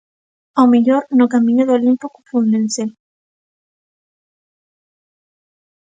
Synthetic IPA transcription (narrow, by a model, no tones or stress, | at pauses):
awmeʎoɾnokamĩɲoðolimpokufunensel